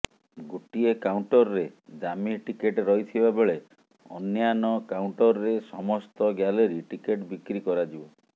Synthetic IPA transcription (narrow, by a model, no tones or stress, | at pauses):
ɡuʈiekawɳʈɔɾɔɾed͡ʒamiʈikeʈɾɔɦit̪ʰibabeɭe | ɔnjanɔkawɳʈɔɾɔɾesɔmɔst̪ɔɡjaleɾiʈikeʈbikɾikɔɾad͡ʒibɔ